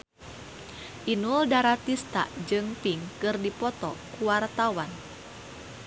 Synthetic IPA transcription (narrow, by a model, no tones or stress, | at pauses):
ʔinuldaɾat̪ist̪a̰ʔd͡ʒɨŋpiŋkɨrdipɔt̪ɔkuwart̪awan